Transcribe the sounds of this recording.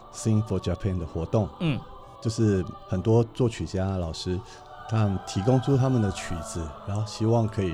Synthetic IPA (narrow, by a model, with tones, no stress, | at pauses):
si˥nfo˧t͡ɕa˧pʰɛ˥˩nd̪ə˨xwɔ˧˥t̪ʊ˥˩ŋ̩˥˩ | t͡ɕjo˥˧ʊʂɻ̩˥˩xə˨˩nt̪wɔ˥t͡swɔ˥˩t͡ɕʰy˨˩t͡ɕja˥lɑ˨˩ʊʂɻ̩˥ | k̪ʰa˥ə˨nt̪ʰi˧˥kʊ˥ŋʈ͡ʂʰu˥t̪ʰa˥mə˨nd̪ə˩t͡ɕʰy˨˩d͡zɹ̩˧˦ã˧˦xo˧ʊɕi˥wɑ˥˩ŋkʰɤ˧˥i˨˩